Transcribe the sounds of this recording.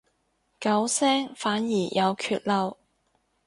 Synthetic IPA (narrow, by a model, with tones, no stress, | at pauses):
kɐ˨˥wsɛː˥ŋfaː˨˥njiː˨˩jʔɐ˨˧wkʰyː˧t̚lɐ˧w